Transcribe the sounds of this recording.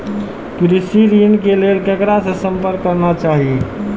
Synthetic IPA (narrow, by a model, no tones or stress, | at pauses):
kɾisiɾinkelelkəkɾasə̃səmpəɾkːəɾnat͡ʃaɦi